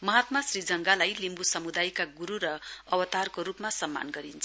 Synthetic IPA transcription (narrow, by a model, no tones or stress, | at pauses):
mʌɦat̪masrid͡zʌŋɡalajlimbusʌmud̪ajkaɡuɾuɾʌʌwʌt̪arkoɾupmasʌmːa̰nɡʌɾint͡sʰ